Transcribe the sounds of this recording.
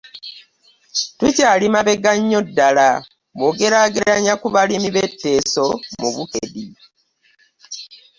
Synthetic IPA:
tucaːlimaβe̞ɡaɲːo̞dːala | moɡe̞ɾaːɡeɾaɲakuβalimiβe̞tːe̞ːso̞muβukedi

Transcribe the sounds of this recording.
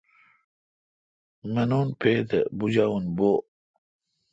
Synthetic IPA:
mɐnuːnpʰeːt̪ebud͡ʑawunbo

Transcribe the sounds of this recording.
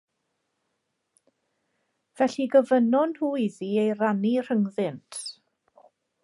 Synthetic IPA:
vɛɬiɡəvənɔnhuːiðiejranir̥əŋðɪntʰ

